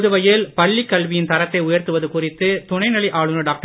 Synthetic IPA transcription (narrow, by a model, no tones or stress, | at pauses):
ðɯʋɐjɪlpɐɭːikːɐɭʋɪjɪnt̪ɐɾɐt̪ːɐɪʊjɐɾt̪ɯʋɐðɯkʊrɪt̪ːɯt̪ʊɳɐɪnɐɭiʔaːɭɯnɯɖaːk̚ʈɐ